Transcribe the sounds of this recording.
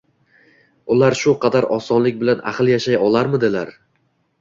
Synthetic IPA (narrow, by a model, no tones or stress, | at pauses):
ʊlˠaɾʃʊqʰɑd̪aɾɒsɒnlɪk̚ʲbɪlana̰χlˠjaʃajɒlˠaɾmɪd̪ɪlaɾ